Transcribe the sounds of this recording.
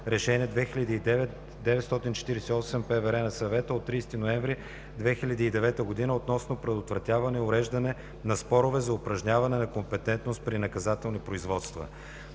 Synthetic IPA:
ɾɛʃɛnʲiɛd̪vɛxiʎʲɐd̪iːɛvɛt̪ | d̪ɛvɛt̪st̪ɔt̪int͡ʃɛ̥t̪iɾɛsɛiɔsɛmpɛvɛɾɛnɐsɐvɛt̪əot̪ːɾijst̪inoɛ̃ɱvɾi | d̪vɛxilʲɐd̪iːd̪ɛvɛt̪əɡod̪inəot̪nɔsnopɾɛd̪ot̪vɾɐt̪ʲavɐnɛʊɾɛʒd̪ɐnɛ | nɐspɔɾʊvɛzɐʊpɾɐʒnɲʲavɐnɛnɐkompɛt̪ɛnt̪nost̪̚pɾinɐkɐzat̪ɛlˠnipɾoizvɔt̪st̪vɐ̰

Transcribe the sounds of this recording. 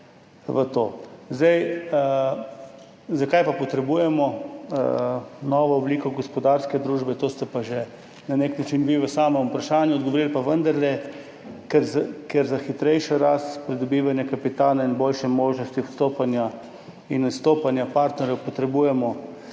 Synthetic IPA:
ʋət̪o̰ːzd̪ɛj | zakajpapɔt̪ɾɛbuːjɛmɔ | nɔːʋɔɔbliːkɔɡɔspɔd̪aɾskɛd̪ɾuːʒbɛt̪oːst̪ɛpaʒɛ | naneknat͡ʃinʋiʋəsaːmɛmupɾaʃaːnjuɔd̪̚ɡoʋoɾilpaʋənd̪aɾlɛ | kɛɾkɛɾzaxit̪ɾɛjʃɔɾast̪pɾid̪ɔbiːʋanjakapit̪aːlainbolʃɛmoːʒnɔst̪iwst̪oːpanja | inust̪oːpanjapaɾt̪nɛɾjɛwpɔt̪ɾɛbuːjɛmɔ

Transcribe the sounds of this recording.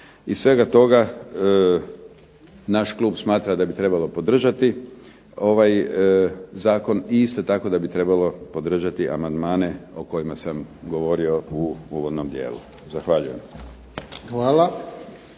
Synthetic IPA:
issʋe̞ɡat̪o̞ɡa | naʃklˠuːbsmaːt̪ɾad̪abit̪ɾe̞balo̞po̞d̪r̩ʒat̪i | o̞ʋaj | zaːko̞niist̪ot̪ako̞d̪abit̪ɾe̞balo̞po̞d̪r̩ʒat̪iʔa̰mand̪maːne̞oko̞jimasamɡo̞ʋo̞ɾio̞uuːʋod̪nomd̪jḛːlṵ | zaxʋaʎujḛm | xʋaːla

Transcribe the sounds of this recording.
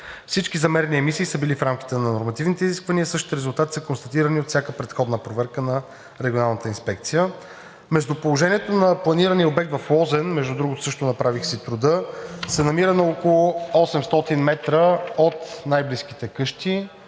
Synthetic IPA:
fsit͡ʃkizɐmɛɾɛniɛmisiːsəbilifɾamk̟ʲi̥t̪ɛnɐnoɾmɐt̪ivnit̪ɛiziskvɐniəsɤʃt̪i̥t̪ɛɾɛzulˠt̪at̪i̥səkonst̪ɐt̪iɾəniot̪fsʲjakəpɾɛt̪xɔd̪nəpɾovɛɾkənɐ | ɾɛɡʲionalˠnət̪əinspɛkt̪sijə | mɛʒd̪opolˠoʒɛniɛt̪onɐplˠɐniɾəniəobɛk̚t̪vɐflˠɔzɛnmɛʒd̪ud̪ɾuɡot̪o̥sɤʃt̪ʊnɐpɾavixsit̪ɾʊd̪ɤsɛnɐmiɾənɐokolˠʊɔsɛmst̪ɔt̪inmɛt̪ɾəot̪najbliski̥t̪ɛkɤʃt̪i

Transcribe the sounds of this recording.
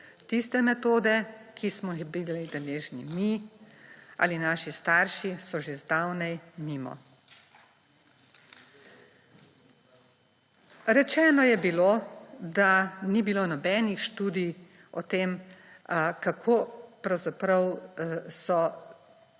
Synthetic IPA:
t̪ist̪ɛmɛt̪oːd̪ɛkʰismɔbilid̪ɛleːʒnḭmi | ʔa̰linaːʃist̪aːɾʃisɔʒezd̪awnɛjmiːmɔ̰ | ɾɛt͡ʃɛːnɔjɛbiloːd̪anibiloːnɔbɛːnixʃt̪uːd̪ij | ɔt̪eːm | kakʰoːpɾɐwzapɾɐwsɔ

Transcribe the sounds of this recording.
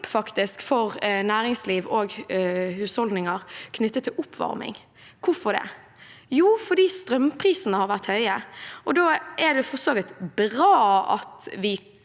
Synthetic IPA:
pfɑkt̪ɪskfɔʁnæːɾɪŋsliːʋɔːɡhʉːshɔld̪nɪŋəɾkʰnʏt̪ːət̪ʰːɪlʊpʰːʋɑ̰ɾmɪ̰ŋ | kʰʊfɔd̪ɛ̰ | juːfɔd̪iːst̪ɾœmpʰʁiːsənəhɑɾʋæʁt̪hœʏəʔɔd̪oːɛd̪ɛfɔʁsoːʋɪt̪bɾɑːɑ̰t̪ʋɪ

